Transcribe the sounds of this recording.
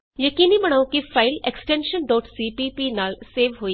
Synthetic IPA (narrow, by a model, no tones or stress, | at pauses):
jɐkiːnibɐɽ̃awkifʰaːɪleksʈẽːnʃənɖɔːʈsipiːpinaːlseːʋɦoːi